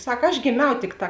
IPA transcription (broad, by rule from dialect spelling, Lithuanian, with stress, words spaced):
ˈsɐk ɐʃ ɡʲeːˈmʲɛʊ ˈtʲɪkˌtɑː